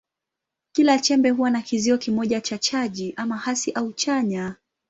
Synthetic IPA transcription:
kilat͡ʃɛmbɛɦuwanakiziɔkimɔʄat͡ʃat͡ʃaʄiʔamahasiʔaut͡ʃaɲa

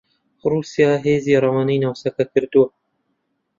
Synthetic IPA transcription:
ruːsijɑːɦeːziːɾˤɑwaːnijnawsɐkɐkɨɾd̪uwɐ

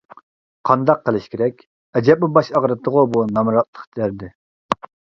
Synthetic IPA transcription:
qʰɑnd̪ɑqʰːəlˠɪʃkʲʰiɾɛkʲ | ɛd͡ʒɛp̚ːubɑʃɑʁɾɨt̪ʰəʁʊbunɑmɾɑt̪̚lˠə̥χt̪ʰæɾd̪ɪ

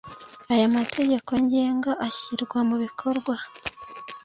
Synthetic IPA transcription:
ajamatʰe̞ɟe̞ko̞ɲɟe̞ːŋɡaʔaçiɾɡwamuβikʰo̞ɾɡwa

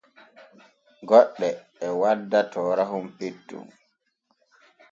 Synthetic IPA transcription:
ɡɔɗːɛː | wadːatɔːɾaɦumpetːṵm

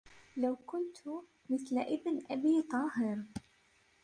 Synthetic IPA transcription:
lawkʊnt̪ | mɪθlaʔɪbnʔabiːt̪ˤɑːɦɪɾ

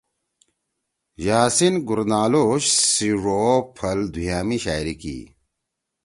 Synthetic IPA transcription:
jaːsinɡuɾnaːloɕsiʐopʰɐld̪ʱujaːmiɕaːjɾikḭː

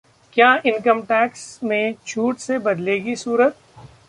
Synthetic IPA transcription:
kjaːɪnkəmʈɛːksmẽt͡ʃʰuːʈsebɐd̪leːɡisuːɾət̪̚

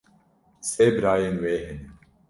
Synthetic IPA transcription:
seːbɾaːjenweːɦen

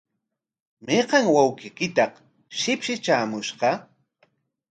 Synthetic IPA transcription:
meqɑŋwawqɪkɪt̪ɑq | ʃɪpʃɪt͡ʃaːmʊʃɢɑ

